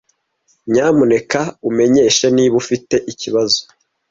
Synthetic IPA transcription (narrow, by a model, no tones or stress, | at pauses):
ɲaːmune̞kaume̞ɲe̞ːʃeniːβufite̞ʔiciβazo